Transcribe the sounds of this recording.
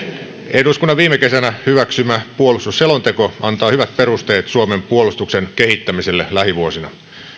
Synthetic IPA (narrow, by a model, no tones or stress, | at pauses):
ʔeduskunːɑʋiːmeke̞sænæhyʋæksymæpuolust̪usselont̪e̞koɑnt̪ɑːhyʋæt̪̚pe̞ɾust̪e̞ːt̪suome̞mpuolust̪uksenke̞hit̪ːæmiselːelæɦiʋuosinɑ